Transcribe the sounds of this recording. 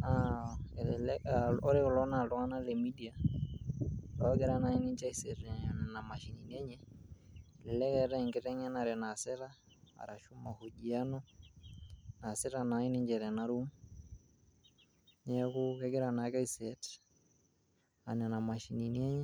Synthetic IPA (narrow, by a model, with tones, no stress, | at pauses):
a˦llɔ˦ɾɪ˦kɔ˨lɔ˦na˨lɔ˦ŋa˦na˦lɛ˨mi˦di˨a˨ | lɔ˨a˦ɡɛ˦ɾa˦na˦i˦ni˦ɲd͡ʒa˦i˦sɛ˨tnɛ˨na˨ma˨ʃi˨ni˨n˦ɛ˦ɲɛ˦˨ | lɛ˨lɛ˦kɛ˨ɾɛ˦˨ŋɡɛ˦tɛ˦ŋɛ˦na˨ɾɛ˨na˨sɛ˦ɾa˦ | a̰˨ɾa˨ʃu˦ma˨ho˨ʄi˨a˦nɔ˦ | na˨sɛ˦ɾa˨na˨˦i˦nɪ˦ɲd͡ʒɛ˨ɾɛ˨na˦ɾu˦m | ɲɛ˦kʊ˦kɛ˦ɡɛ˦ɾa˨na˨˦ka˦i˦sɛ˨t | a˨nɛ˨na˨ma˨ʃi˨ni˨ni˦ɛ˦ɲɛ˦